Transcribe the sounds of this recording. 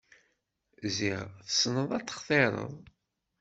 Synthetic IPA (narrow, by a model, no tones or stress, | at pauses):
ziʁθə̥snəðˤɑt͡sːə̥χθˤeɾˤə̰ðˤ